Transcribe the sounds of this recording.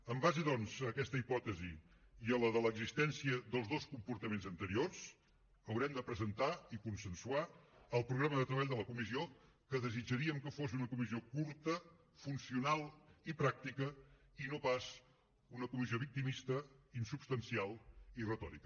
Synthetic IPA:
əmbaziðɔnzəkɛst̪əipɔt̪əzi | iələðələɡzist̪ɛnsiəðəlˠzðoskumpuɾt̪əmenzənt̪əɾiorz | əwɾɛmd̪əpɾəzənt̪aikunsənsuaəlˠpɾuɣɾaməðət̪ɾəβaʎd̪ələkumizio | kəðəzid͡ʒəɾiəmkəfosiunəkumiziokuɾt̪ə | funsiunalˠipɾak̚t̪ikəinopaz | unəkumizioβik̚t̪imist̪əinsupst̪ənsialˠirət̪ɔ̰ɾḭkə

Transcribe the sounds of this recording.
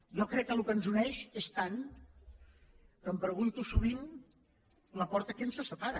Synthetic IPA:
jɔkɾɛkːəlukənzunɛʃest̪an | kəmpɾəɣunt̪usuβ̞in | ləpɔɾt̪əkensəsəpaɾə

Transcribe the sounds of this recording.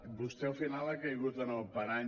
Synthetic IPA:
bust̪ɛwfinalakejɣut̪ənopaɾaɲ

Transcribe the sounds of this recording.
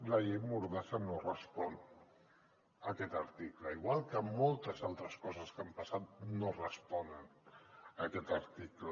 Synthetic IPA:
ləʎejmuɾðasənorəspɔn | əkɛt̪əɾt̪ikləiɣwalˠkəmolˠt̪əzalˠt̪ɾəskɔzəskampəsat̪̚norəspɔnən | əkɛt̪əɾt̪iklə

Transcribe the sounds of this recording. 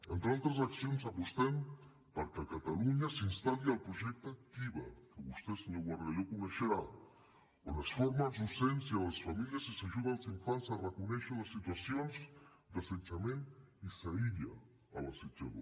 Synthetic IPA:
ent̪ɾealt̪ɾas̬aksjonsapost̪em | paɾkakat̪aluɲasinst̪alialpɾoʒek̚t̪akt̪iβa̰keust̪eseɲoɣwaɾɣaʎokoneʃeɾa | olasfoɾmanzusensjaolasfamiljasisaʒuðalasiɱfansarekoneʃolasːit̪wasjonz | d̪aset͡ʃamenisaiʎa̰ | a̰laset͡ʃa̰ðo

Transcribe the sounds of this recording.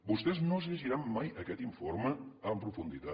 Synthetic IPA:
bust̪ɛznozəʒiɾamːajəkɛt̪iɱfoɾməəmpɾufund̪it̪a

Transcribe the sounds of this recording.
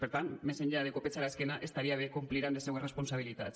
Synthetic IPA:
beɾt̪anmeseɲʎeaðekopest͡salaeske̞naʔe̞st̪aɾiaβekumpliɾand̪eseuwɡere̞sponsaβ̞ilit̪a̰t̪

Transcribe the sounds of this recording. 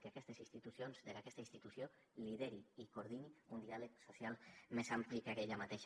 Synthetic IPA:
keakɛst̪esinst̪it̪usjonzðeɾakɛst̪ainst̪it̪usjo | liðeɾiikoɾðiniund̪ialəksosjalˠmezamplikakeʎamat̪eʃ

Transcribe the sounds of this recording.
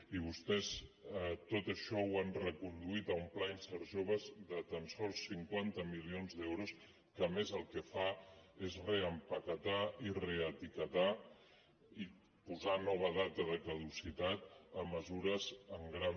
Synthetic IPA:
iβ̞ust̪ɛz | t̪ot̪əʃɔwanrəkund̪uit̪əumplainsəɾʒoβ̞əzðət̪ənsɔlˠsːiŋkwant̪əmilionzðɛwɾus | kəmezəlˠkəfaezreəmpəkət̪aireət̪ikət̪a | i | puzanɔβ̞əð̞at̪əðəkəðusit̪at̪əmːəzuɾəzəŋɡɾan

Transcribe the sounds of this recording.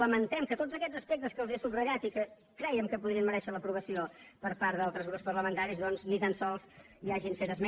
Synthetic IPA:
ləmənt̪ɛmkət̪ozəkɛd͡zzəspek̚t̪əskəlˠzesubrəʎat̪ikə | kɾɛjəmkəpuðɾiənməɾɛʃələpɾuβəsiopəɾpaɾt̪d̪alˠt̪ɾəzɣupspərləmənt̪aɾizðɔnznit̪ansɔlˠs | iaʒinfet̪əzmɛ

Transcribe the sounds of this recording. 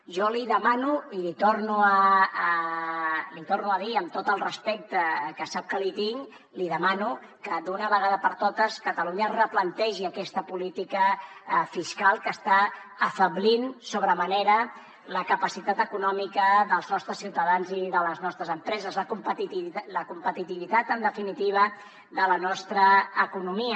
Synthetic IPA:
ʒɔliðəmanuilit̪ornuəː | lit̪ornuəðiəmt̪ot̪əlˠrəspɛk̚t̪əkəsap̚kəlit̪iŋ | liðəmanu | kəd̪unəβəɣaðəpəɾt̪ot̪əskət̪əluɲərəplənt̪ɛʒiəkɛst̪əpulit̪ikəfiskalˠkəst̪aː | fəβlinsoβɾəməneɾə | ləkəpəsit̪at̪əkunɔmikəðəlˠznɔst̪ɾəsːiwt̪əðanziðələznɔst̪ɾəzəmpɾɛzəzləkumpət̪it̪iləkumpət̪it̪iβit̪at̪ənd̪əfinit̪iβ̞ə | ðələnɔst̪ɾəːkunumiə

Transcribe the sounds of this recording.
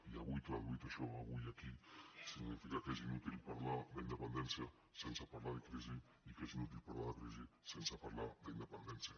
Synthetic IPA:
iaβujt̪oaβujt̪aʃɔaβujakisiŋnifikakezinut̪ilpaɾlad̪eind̪epend̪ɛnsja | sensapaɾlaðekɾizi | ikezinut̪̬ilpaɾlaðekɾizisensapaɾlad̪eind̪epend̪ɛnsja

